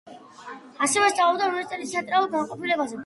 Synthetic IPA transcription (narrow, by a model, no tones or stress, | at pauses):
asɛvɛst̪sʼaɔbd̪aɔɾɛt̪sʼɛlit̪sʰɛnt̪ʼɾalˠuɾɡanqʼɔpʰilɛbazɛ